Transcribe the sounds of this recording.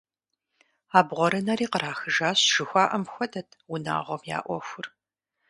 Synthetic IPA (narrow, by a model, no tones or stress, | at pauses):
aːbʁʷɔɾɨnɐɾiːqəɾaːxɨʒaːɕʒ̥ɨxʷaːʔɐmxʷɔdɐtʰwʊna̰ːʁʷɔmja̰ːʔʷɔxʷʊr